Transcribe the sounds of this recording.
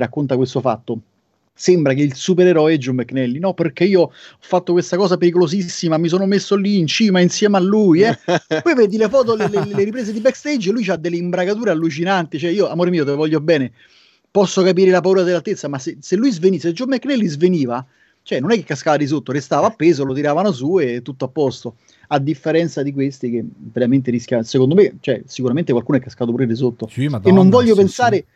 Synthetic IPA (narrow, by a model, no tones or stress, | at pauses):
rakːont̪akwest̪ofa̰t̪ːo | sembɾak̟eilsupeɾeɾɔjɛd͡ʒomːekːnɛlːinɔperk̟eiːoɔfːat̪ːokwest̪akɔːsapeɾik̬olosisːimamis̬oːnomesːolːiːnt͡ʃiːmainsjɛːmalːujɛpɔjved̪ilefɔːt̪̬olelelleɾip̬ɾeːsz̬ed̪ibɛkːst̪ed͡ʒlujt͡ʃad̪ːelːeimbɾakat̪̬uːɾealːut͡ʃinant̪it͡ʃoɛiːoamoːɾemiːot̪̬evɔʎːobɛːne | pɔsːokap̬iːɾelapauːɾad̪eɪlːalt̪et̪sːamaseselːujzvenised͡ʒomekːnelːizveniːva | t͡ʃoɛnːonɛkːekːaskaːvad̪is̬ot̪ːoɾest̪aːvapːeːzolot̪̬iɾaːvanos̬uet̪ːut̪ːoapːɔst̪o | ad̪ːifːeɾɛnt̪sad̪ik̬west̪ik̟eveɾament̪̬eɾisk̟jasekond̪omet͡ʃoɛsikuɾament̪ekwalkuːnoɛkːaskat̪opuːɾed̪is̬ot̪ːoenːoɱvɔʎːopensaːɾe